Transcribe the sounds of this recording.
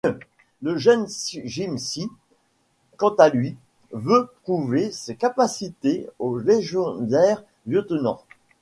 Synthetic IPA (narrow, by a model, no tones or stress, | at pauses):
ləʒɛnsʒimsi | kɑ̃t̪alɥi | vøt̪χuvesekapasit̪eoleʒjɔd̪ɛʁ | vjɔt̪nɔ̰̃